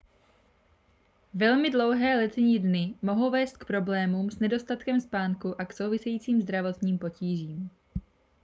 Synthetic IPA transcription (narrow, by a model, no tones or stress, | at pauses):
vɛlmɪdlo̞wɦɛːlɛt̪ɛɲidnɪmo̞ɦo̞wvɛːst̪̚k̚pɾo̞blɛːmuːmsnɛdo̞st̪at̪kɛmspaːŋkuʔakso̞wvɪsɛjiːt͡siːmzd̪ɾavo̞t̪ɲiːmpo̞ciːʒiːm